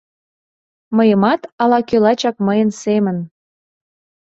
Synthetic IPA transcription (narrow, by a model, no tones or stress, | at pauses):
məjəmɑt̪ɑlɑkølɑt͡ɕɑkməjənsemən